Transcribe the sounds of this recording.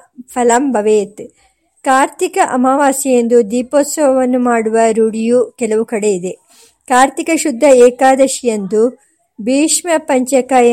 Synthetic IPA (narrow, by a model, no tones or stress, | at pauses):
pʰɐlɐmbʱɐʋeːt̪ | kaːɾt̪ikɐʔɐmaːʋaːsijend̪ud̪iːpoːt̪sɐʋɐʋɐnːumaːɽuʋɐɾuɽijukɛlɐʋukɐɽe̞id̪e̞ | kaːɾt̪ikɐʃud̪ʱːɐɛːkaːd̪ɐʃijɐnd̪u | biːʂmɐpɐɲt͡ʃɐkaːjɐ